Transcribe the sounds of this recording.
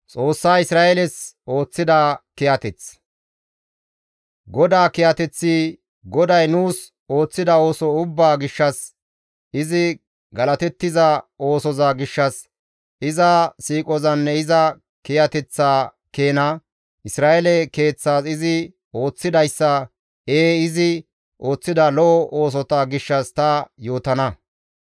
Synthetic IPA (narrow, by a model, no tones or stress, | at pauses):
t͡sʼo̞ːsːaːɪsɾaːɛlɛs | o̞ːt͡sːɪd̪aːkɪjɐt̪ɛt͡s | ɡɔd̪aːkɪjɐt̪ɛt͡sːiː | ɡɔd̪ɐjnuːs | o̞ːt͡sːɪd̪ɐo̞ːsɔʊbːaːɡɪʃːɐs | ɪzɪ | ɡɐlɐt̪ɛt̪ːɪzɐo̞ːsɔzaːɡɪʃːɐs | ʔɪzɐsiːkʼɔzɐnːɛɪzɐ | kɪjɐt̪ɛt͡sːaː | keːnɐ | ʔɪsɾaːʔɛlɛke̞ːt͡sːaːsɪzɪ | o̞ːt͡sːɪd̪ɐjsːɐ | eːɪzɪ | ʔo̞ːt͡sːɪd̪ɐlɔʔɔʔo̞ːs̬ɔt̪ɐɡɪʃːɐst̪ɐjo̞ːt̪ɐnɐ